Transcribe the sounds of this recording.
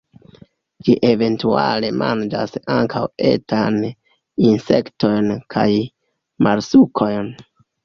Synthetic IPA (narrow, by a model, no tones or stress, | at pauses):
d͡ʒiʔe̞ve̞ntuale̞mʔand͡ʒasaŋkʰawe̞̰tan | inse̞kto̞jnkʰa̰j | mʔaɾsukʰo̞jn